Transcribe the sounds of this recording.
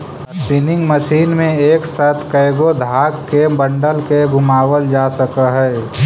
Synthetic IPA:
sɪnɪ̃ŋɡməʃiːnmẽeːksaːt̪ʰkəɪɡod̪ʱaːkkːebə̃ɳɖəlkeɡʱʊmaːwəld͡ʒaːsəkəɦɛː

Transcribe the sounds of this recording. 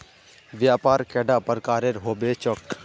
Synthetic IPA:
ʋjaːpaːɾkɛːɖaːpəɾkaːɾeɾɦoːbeːt͡ʃɔk

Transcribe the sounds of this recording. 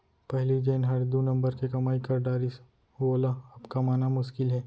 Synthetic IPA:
pɛɦlid͡ʒeːnɦɐɾd̪unɐ̃mbəɾkekɐmaːikɐɾɖaːɾɪs | ʋoːlaɐbkamaːnamʊʃkɪlɦɛː

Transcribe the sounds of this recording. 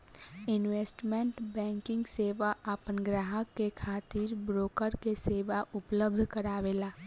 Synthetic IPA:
ɪnʋeːsʈmẽɳʈbɛ̃ːŋkɪ̃ŋɡseːʋaʔapənɡɾaːɦəkːekʰaːt̪iːɾbɾoːkəɾkeseːʋaʔʊpləb̚d̪ʱkəɾaːʋeːlaː

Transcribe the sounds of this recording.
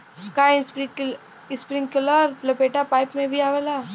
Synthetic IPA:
kas | ɪspɾɪ̃ŋɡkələɾplɐpeːʈapaːɪpmẽbʱiaːʋela

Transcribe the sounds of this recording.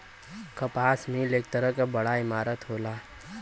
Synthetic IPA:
kəpaːsmẽleːk̚t̪əɾəkabəɽaɪmaːɾət̪ɦoːlaː

